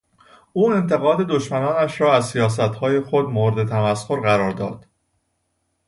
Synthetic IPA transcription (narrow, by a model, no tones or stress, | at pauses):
ʔuːe̞nt̪ʰe̞ɣɒːd̪e̞d̪o̞ʃmænɒːnæʃɾɒːæzsijɒːs̬æt̪hɒːje̞xod̪moɾd̪et̪ʰæmæsxoɾɣæɾɒːɾd̪ɒ̰ːd̪̥